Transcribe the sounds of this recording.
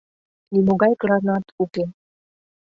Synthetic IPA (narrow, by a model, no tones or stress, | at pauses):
nimoɡɑjkɾɑnɑt̪uke